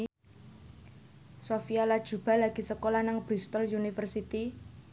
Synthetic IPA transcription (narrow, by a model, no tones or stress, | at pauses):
sofialad̥ʒ̥ṳb̥a̤laɡ̥i̤səkolanaŋb̥ɾist̪ɔlunifərsit̪i